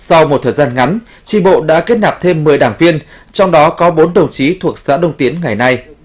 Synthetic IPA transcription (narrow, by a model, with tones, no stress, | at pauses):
sɔ˧wmo˨˩t̚t̪ʰəː˨˩jzaː˧nŋa˨˦n | t͡ɕi˧˩ɓo̰˧˨ɗa̰ː˧˥ke˦˥t̚naː˨˩p̚t̪ʰe˧mːɨ˨˩əjɗaː˧˩ŋvi˧ən | t͡ɕɔ˧wŋ͡mɗɔ˨˦kɔ˨˦ɓo˨˦nɗə˨˩wŋ͡mt͡ɕi˨˦t̪ʰu˨˩ək̚sa̰ː˧˥ɗə˧wŋ͡mt̪i˨˦ənŋa˨˩jna˧j